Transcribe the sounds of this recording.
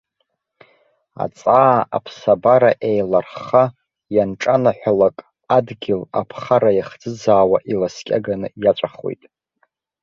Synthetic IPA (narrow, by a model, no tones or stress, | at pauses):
a̰t͡sʼaːa̰pʰsabaɾaʔejlarχa | janʈ͡ʂʼanaħʷalakʼ | adɡʲɪlapʰχaɾajaχd͡zɨd͡zaːwaʔilaskʲʼa̰ɡanɨjat͡ʃʷʼaχwo̰jtʼ